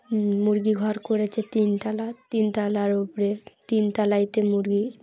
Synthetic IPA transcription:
muɾɡiɡʱɔɾkoɾet͡ɕʰet̪int̪alat̪int̪alaɾupoɾet̪int̪alajt̪emuɾɡi

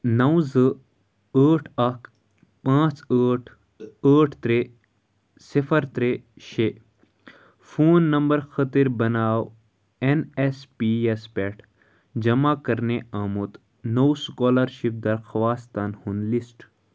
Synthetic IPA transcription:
nɐwzɨ | əːʈʰɐk | pãːt͡səːʈʰ | əːʈʰt̪ɾe | sifɐɾt̪ɾeʃe | fuːnːɐmbɐɾxɐt̪iɾbɐnaːw | enespiespeʈʰ | d͡ʒɐmaːkɐɾneaːmut̪ | nowskoːlɐɾʃip̚d̪ɐɾxwaːst̪anhunlisʈ

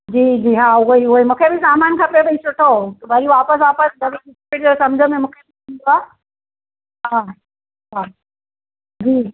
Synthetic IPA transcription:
d͡ʑiːd͡ʑiːɦãʊiʊemũːkʰebʱisaːmaːnkʰãːpebəisʰʊʈʰot̪ɐbʱɐɾiʋaːpəsʋaːpəsɡɐɡəɪspeʈeɾsɐmd͡ʑʱəmẽmũːkʰebitĩnd̪oaː | ɦã | ɦaː | d͡ʑiː

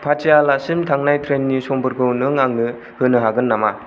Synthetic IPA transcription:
pʰat͡ʃijalasimtʰaŋnajtʰɾenːisɔŋbɯɾɡɯwnɯŋaŋnɯ | hɯnɯɦaɡɯnːama

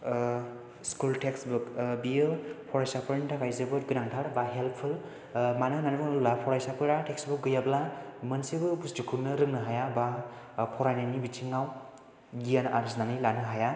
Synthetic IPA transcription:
skultʰeksbukbijɯpʰɔɾajsapʰɯɾnitʰakʰajzebɯɾɡɯnaŋtʰaɾbaɦelppʰul | manɯnanubɯllapʰɔɾajsapʰɯɾateksbuk̚ɡɯjablamənsibɯbusdukʰuɾnɯɾɯŋnɯɦajaba | pʰɔɾajnanibitʰiŋaw | ɡijana̰ɾisnanijlanɯɦaja

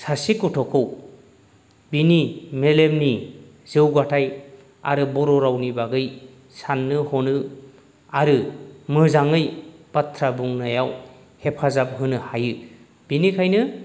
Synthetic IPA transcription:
sasikɔtʰɔkʰɯw | binimelemni | z̥ewɡatʰaj | a̰ɾɯbɔɾɔɾawnibaɡɯj | sanːɯhɔnɯ | aɾɯmɯzaŋɯjpatʰɾabuŋnajaw | hepʰazap̚ɦɯnɯhajɯ | b̥inikʰajnɯ

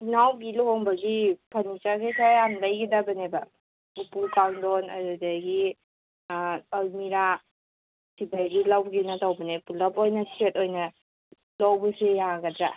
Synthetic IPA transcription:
nawbilɔɦɔŋbɐɡipʰanit͡ʃasejsʰaanlajɡidabɐnebɐ | upukawndɔnɐ̰ɾudaɡi | almiɾa | sibaɡilawɡinatawbɐnepulapojnɐsetojnɐ | lawbɐsejaɡɐdɾa

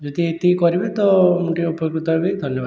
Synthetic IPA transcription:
d͡ʒod̪ʱiet̪ikɔɾibet̪ɔmuʈiupjɡɾut̪ɔɦebid̪ʱɔnjɔba

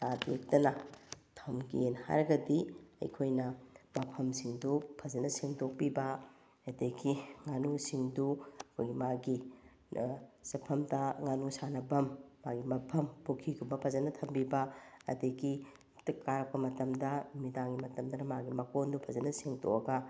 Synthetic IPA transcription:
tatek̚tɐnɐtʰɐwmɡienha̰ɾɐɡɐdiɐ̰jkʰojnɐmɐpʰɐmsiŋdupʰɐzɐnɐseŋtok̚pibɐ | ɐdeɡiŋanusiŋduɐkʰojɡimaɡi | sɐpʰɐmdɐŋanusanɐbɐmːaɡimɐpʰɐmpokʰikʰubɐpʰɐzɐnɐtʰɐmbibɐɐ̰diɡi | tkːaɾɐk̚pːɐmɐtɐmdɐmidaŋɡimɐtɐmdɐnɐmaɡimɐkondupʰɐzɐnɐseŋtʰo̰ʔɐɡɐ

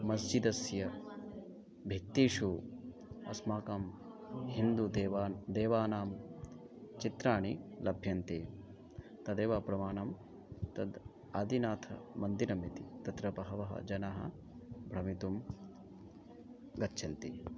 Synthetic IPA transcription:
mɐsd͡ʒid̪ɐsjɐ | bʱikt̪iːʃu | ɐ̰smaːkɐm | hind̪ud̪eːʋaːd̪eːʋaːnaːm | t͡ʃit̪ɾaːɳilɐbʱjɐnt̪eː | t̪ɐd̪eːʋapɾɐmaːnɐm | t̪ɐd̪ | aːd̪inaːt̪ʰɐ̰mɐnd̪iɾɐmit̪it̪ɐt̪ɾɐbɐɦɐʋɐɦɐ̰d͡ʒɐnaɦɐ̰ | bʱɾɐmit̪um | ɡɐtːʃʰɐnt̪i

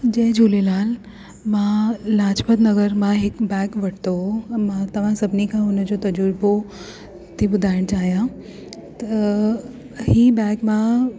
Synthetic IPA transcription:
d͡ʑẽɦd͡ʑʱuːlelaːl | mãlaːt͡ʃpəd̪nəɡəɾmãɦɪkbɛːkʋɐʈʰt̪omãt̪ɐʋ̤ãsɐbnikʰãʊnəd͡ʑot̪ɐd͡ʑuɾbo | t̪ʰibʊd̪ʱaːɪɽ̃t͡ɕaːɦijã | t̪ə | hibɛːkmã

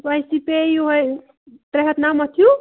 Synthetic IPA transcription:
ʋajsipejuɦoj | t̪ɾeɦət̪namʌt̪ʰijũ

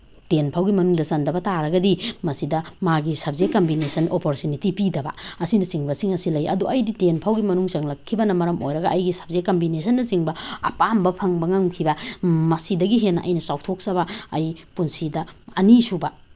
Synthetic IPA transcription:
tenpʰawɡimɐnuŋdɐsɐndɐbɐtaɾɐɡɐdimɐsidɐmaɡisɐb̚zekːɐmbinesɐnʔopoɾtunitipidɐbɐ̰ɐsinɐsiŋbɐsiŋɐsilɐjɐ̰duʔɐjditenpʰawɡimɐnuŋsɐŋlɐkʰːibɐnɐmɐɾɐmʔo̰jɾɐɡɐʔɐjɡisɐ̥b̚zekːɐmbinesɐnːɐsiŋbɐɐ̰pambɐpʰɐŋbɐŋɐŋkʰibɐmɐsidɐɡiɦenːɐʔɐjnɐsawtʰok̚sɐβɐɐjpunsidɐɐnisubɐ

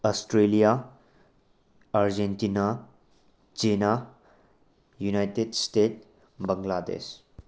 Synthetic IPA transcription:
ɔsʈɾelija | aɾd͡ʒentina | t͡ʃena | junajtedstet | bəŋɡlad̪ḛs

